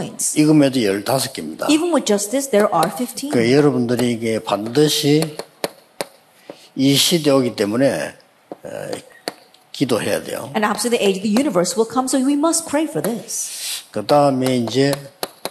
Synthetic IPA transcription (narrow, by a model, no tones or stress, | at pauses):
ɪ̃ntsiɡɯmedojʌɭtasʰʌ̥kimɲida̰ivə̃nwɪðd͡ʒʌstɨsðə˞ʔə˞fɪftʰĩkejʌɾʌbundɯɾiːɡepandɯɕʰi | iɕʰideoɡit͈emunḛ | kidohe̞ja̰dḛjo̰ɨ̃næpslˠiðiʔeɪd͡ʒʌvðɨjʉnɨvə˞swəlˠkʰʌ̃msoʊwimʌst̚pʰɹ̥eɪfə˞ðɪskɯdaɯmeind͡ʑe